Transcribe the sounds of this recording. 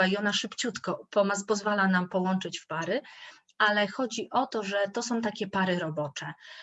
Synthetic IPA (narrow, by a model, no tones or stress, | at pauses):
aiɔnaʂɘpt͡ɕut̪kɔpɔmaspɔzvalanampɔwɔnt͡ʂɘt͡ɕfpaɾɘ | ʔalɛxɔd͡ʑiʔɔt̪ɔʐɛt̪ɔsɔ̃w̃t̪akʲɛpaɾɘɾɔbɔt͡ʂɛ